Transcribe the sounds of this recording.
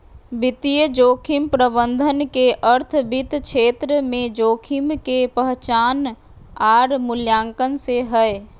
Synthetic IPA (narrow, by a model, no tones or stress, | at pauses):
bɪt̪ijəd͡ʒoːkʰimpɾəbənd̪ʱənkeʔəɾt̪ʰbit̪kʃʰeːt̪ɾəmẽd͡ʒoːkʰimkepəɦt͡ʃaːn | aːɾmʊljaːŋkənseɦəe